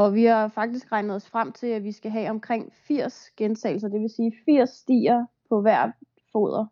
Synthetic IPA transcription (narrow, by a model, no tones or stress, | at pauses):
ɒ̽ʋihɑ̈fɑ̈ɡ̥̚d̥isɡ̥ʁɑ̈ɪnð̩ˠɒsfʁam̰t͡sʰe̝læʋisɡ̥æɦɛɒ̽mkʰʁeŋ̰fiɐ̰sɡ̥ent͡sʰɛ̰ːɪl̩s̬ɐd̥e̝ʋe̝siːfiɐ̰sːd̥ḭːɐpʰɒ̽ʋæɐ̰ | fo̝̰ːð̞̰ˠɐ